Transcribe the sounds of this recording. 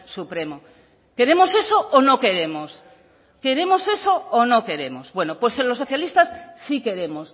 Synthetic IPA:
supɾe̞mo | ke̞ɾe̞mo̞se̞soonoke̞ɾe̞mos | ke̞ɾe̞mo̞se̞so̞ːno̞ke̞ɾe̞mozbwe̞nopwe̞selo̞sːoθjalist̪asːike̞ɾe̞mo̞s

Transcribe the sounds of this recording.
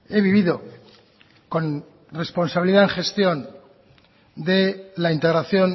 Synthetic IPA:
e̞βiβiðo̞ | ko̞n | re̞spo̞nsaβiliðaeŋχe̞st̪jo̞n | d̪elaint̪e̞ɣɾaθjo̞n

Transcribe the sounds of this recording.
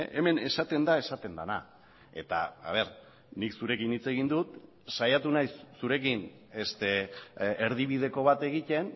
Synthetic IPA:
ʔeme̞ne̞sat̪e̞nd̪ae̞sat̪e̞nd̪ana | e̞̰t̪a̰a̰β̞e̞ɾ | niksuɾe̞kinit͡se̞ɣ̞ind̪ut̪ | sajat̪unajssuɾe̞kin | est̪e̞eɾð̞iβið̞e̞ko̞β̞at̪e̞ɣ̞it̪e̞n

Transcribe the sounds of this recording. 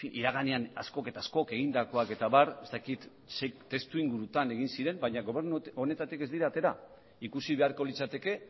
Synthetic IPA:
iʔiɾaɣ̞aneana̰sko̞ke̞t̪aːsko̞ke̞ɣind̪ako̞ake̞t̪aβaɾe̞st̪akit̪ | sejkt̪ːe̞st̪uiŋɡuɾut̪ane̞ɣ̞insiɾe̞mbaɲaɣo̞βe̞ɾnuone̞t̪at̪ike̞zd̪iɾaːt̪e̞ɾa | ikusiβe̞aɾko̞lit͡sat̪e̞ke̞

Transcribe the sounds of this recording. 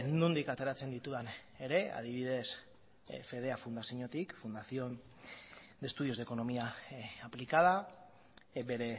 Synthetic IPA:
nund̪ikat̪e̞ɾat͡se̞nd̪it̪uðan | e̞ɾe̞a̰ð̞iβ̞iðe̞s | fe̞ð̞e̞afund̪asiɲo̞t̪ikfund̪aθio | d̪e̞st̪uðio̞zðe̞ko̞no̞miaaplikað̞a | be̞ɾe̞

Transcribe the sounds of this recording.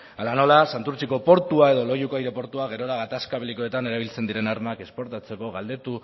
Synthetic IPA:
alano̞lasant̪uɾt͡ʃiko̞po̞ɾt̪uae̞ðo̞lo̞ʝukoajɾe̞po̞ɾt̪uaɣ̞e̞ɾo̞laɣat̪askaβeliko̞e̞t̪ane̞ɾaβ̞ilt͡se̞nd̪iɾe̞naɾmake̞spo̞ɾt̪at͡se̞ko̞ɣald̪e̞t̪u

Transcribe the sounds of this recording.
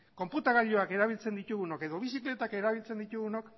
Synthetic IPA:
ko̞mput̪aɣaʎo̞ake̞ɾaβ̞ilt͡se̞nd̪it̪uɣuno̞ke̞ðo̞β̞isikle̞t̪ake̞ɾaβilt͡se̞nd̪it̪uɣunok

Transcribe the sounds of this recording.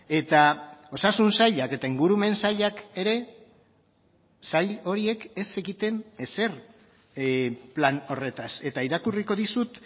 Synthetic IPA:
e̞t̪ao̞sasunsaʎake̞t̪aiŋɡuɾume̞nsaʎake̞ɾe̞ | saʎo̞ɾie̞ke̞se̞ɣit̪e̞ne̞se̞r | plano̞re̞t̪ase̞t̪aiɾakuriko̞ðisut̪

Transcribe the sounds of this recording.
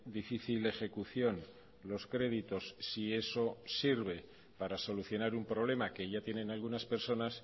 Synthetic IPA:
d̪ifiθile̞xe̞kuθjo̞n | lo̞skɾe̞ð̞it̪o̞sːie̞so̞siɾβ̞e̞ | paɾaso̞luθjo̞naɾumpɾo̞β̞le̞make̞ʝat̪je̞nẽ̞nalɣunaspe̞ɾso̞nas

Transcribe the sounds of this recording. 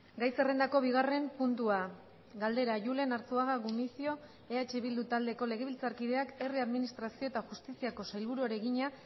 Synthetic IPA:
ɡajse̞re̞nd̪ako̞β̞iɣ̞are̞mpunt̪ua | ɡald̪e̞ɾaʝule̞naɾt͡suaɣaɣumisio̞ | eat͡ʃe̞βild̪ut̪ald̪e̞ko̞le̞ɣ̞e̞βilt͡saɾkið̞e̞ake̞riaðminist̪ɾasio̞et̪axust̪isiako̞sajlβuɾuaɾe̞ɣiɲa

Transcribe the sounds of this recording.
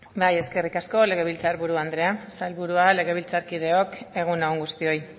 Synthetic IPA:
baje̞ske̞rikasko̞le̞ɣ̞e̞β̞ilt͡saɾβuɾuand̪ɾe̞asalβuɾuale̞ɣe̞βilt͡saɾkið̞e̞o̞ke̞ɣ̞unaoŋɡust̪io̞j

